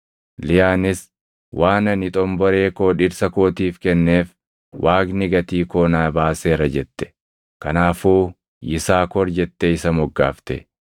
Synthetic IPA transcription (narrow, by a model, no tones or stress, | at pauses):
lɪjaːnɪs | wʔaːnɐnɪt̪ʼɔmbɔɾe̞ːkoːᶑɪɾsɐkoːt̪iːfkɛnːe̞ːf | wʔaːɡnɪɡɐt̪iːkoːnaːbaːseːɾɐd͡ʒɛt̪ːɛ̥ | kɐnaːfuː | jɪsaːkɔɾd͡ʒɛt̪ːɛɪsɐmɔɡːa̰ːft̪ɛ̰